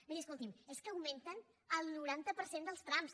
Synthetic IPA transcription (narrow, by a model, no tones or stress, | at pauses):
miɾiəskulˠt̪imeskəːwment̪ən | əlˠnuɾant̪əpəɾsend̪əlˠst̪ɾams